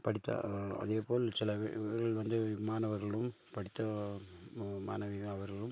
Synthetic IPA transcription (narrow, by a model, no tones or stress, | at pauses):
pɐɽɪt̪ːɐ̰ɐ̰ðeːpoːlsɪlɐɾɐɭʋɐnd̪ɯmaːnɐʋɐɾɣɐɭɯm | pɐɽɪt̪ːɐ | ma̰ːnɐʋiɐʋɐɾɣɐɭɯm